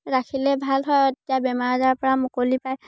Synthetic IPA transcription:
ɹakʰilɛbʱalɦɔjɔtiabɛmaɹazaɹpɔɹamokolipaj

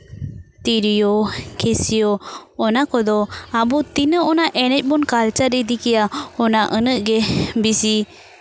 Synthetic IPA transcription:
t̪iɾijɔkʰesiɔːnakɔd̪ɔabut̪inəɔnaʔɛnɛc̚ˀbɔnkalt͡ʃaɾid̪ikɛjaɔnaʔənəʔɡɛbisi

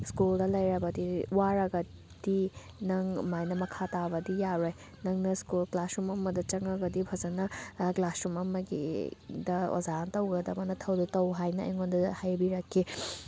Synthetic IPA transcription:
skuldɐlɐjɾɐbɐdiwaɾɐɡɐ | d̥i | nɐŋmajnɐmɐkʰatabɐdijaɾoj | nɐŋnɐskulklasumɐmɐdɐt͡ʃɐŋɐɡɐdipʰɐzɐnɐklasumɐmɐɡḭdɐo̰zantɐwɡɐdɐbɐnɐtʰɐwditɐwɦajnɐɐ̰jŋondɐhajbiɾɐkʰːi

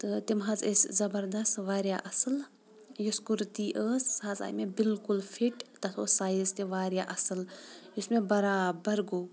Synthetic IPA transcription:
t̪ɨt̪imɦazeszɐbɐɾd̪ɐst̪ʋaːɾjaʔɐsɨl | juskuɾt̪iːʔəːsaːza̰ːjmebɪlkulfʰiʈt̪ɐt̪ʰosaːjizt̪iʋaːɾjaʔɐsɨljusmẽbɐɾaːbɐɾɡoː

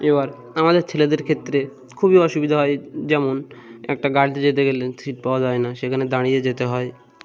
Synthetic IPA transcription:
ebaɾ | amad̪eɾt͡ɕʰeled̪eɾkʰet̪ːɾe | kʰubiɔʃubid̪ʱaɦɔed͡ʑɛmonɛ̰k̚ʈaɡaɽt̪ed͡ʑet̪̬eɡelesʰɾiʈ̚paoad͡ʑɔenaʃekʰaned̪aɽ̃ijed͡ʑet̪eɦɔe

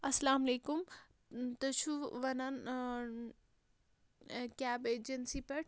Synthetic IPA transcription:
ɐsɐlaːmleːkʊm | t̪ɐt͡ʃʰuʋɐnɐn | kʲaːbeːd͡ʒɐnsipɐʈ

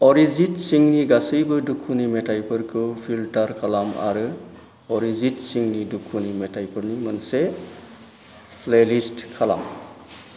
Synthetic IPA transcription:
ɔɾizinsiŋniɡasɯjbɯdukʰːunimetajpʰɯɾkʰɯwpʰiltaɾkʰalama̰ɾɯ | ɔɾizitsiŋnidukʰunimetʰajpʰɯɾnimɯnse | pʰlelistkʰala̰m

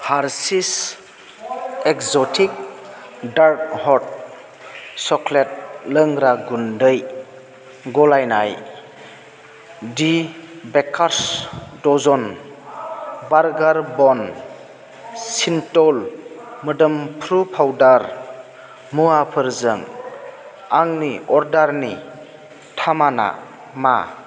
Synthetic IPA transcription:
haɾsis | ekzɔtʰik̚ | daɾk̚hɔt̚ | sɔklet̚ləŋɾaɡundəj | ɡɔlajna̰j | dibekʰaɾsdɔzɔn | baɾɡaɾbɔn | sintɔlmədɯmpʰɾupʰawdaɾ | muapʰɯɾzɯŋ | aŋniɔɾdaɾni | tʰamana̰ | ma̰

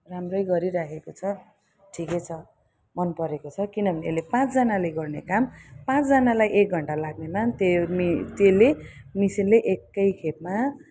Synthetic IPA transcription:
ramrʌjɡʌɾiɾakʰekot͡sʰʌ | ʈʰiket͡sʰʌ | mʌnpʌɾekot͡sʰʌkinʌbʱʌneelepãt͡sd͡zʌnaleɡʌrnekampãt͡sd͡zʌnalajʔek̚ɡʱʌɳʈalaɡ̚nemat̪et̪elemisinleʔekːʌjkʰep̚ma

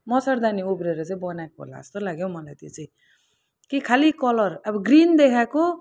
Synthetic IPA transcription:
mʌsʌɾd̪aniubɾeɾʌt͡saĩbʌnakoɦo̰la̰ʌ̰st̪olaɡjow̃mʌlajt̪jḛt͡saĩ | kikʰalikʌlʌrabʌɡrind̪ekʰako

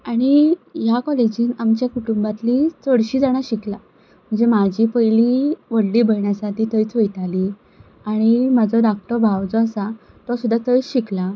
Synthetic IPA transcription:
aɽ̃ijakɔled͡ʑiːnamt͡ɕjakuʈumbat̪liːt͡səɽɕiːd͡zaɽ̃aɕikla | m̤əɳd͡zemad͡ʑiːpəjliʋəɽliːbʱəjɳjasaʈiːt̪əjt͡sʋəjt̪aliː | aɽ̃imad͡zɔd̪ak̚t̪əɾbʱawd͡zɔasa | t̪asud̪ʱːat̪əjɕikla

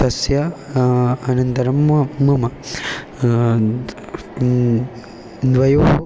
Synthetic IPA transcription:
ɐsjɐ | ɐnɐnt̪ɐɾɐmːɐːɐmɐ | d̪ʋɐjoː

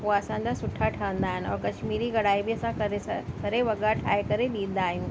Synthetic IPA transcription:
ɦuaɐsãd͡ʑasʊʈʰaʈʰɐʋə̃nd̪aːɦɪnɪ̆ɔ̰ːɾkɐʃmiːɾiɡɐɽaːibʱiɐsãkɐɾekɐɾeʋɐɠaʈʰa̰ːekɐɾeɗĩːd̪aːɦjũː

